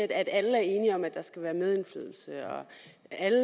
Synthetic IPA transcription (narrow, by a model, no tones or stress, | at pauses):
ed̥æd̥æləæɐe̝ːniɒ̽mæd̥ɑ̈sɡ̥æʋæːɐmeð̞ˠe̝nflø̰ːð̞̰ˠl̩səɒ̽ | ælə